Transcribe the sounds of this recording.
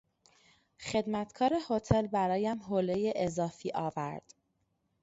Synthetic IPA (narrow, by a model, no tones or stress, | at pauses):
xe̞d̪mæt̪kʰɒːɾeho̞t̪ʰelbæɾɒːjæmɦoːlejeʔezɒːfiːʔɒːvæ̰ɾd̪̥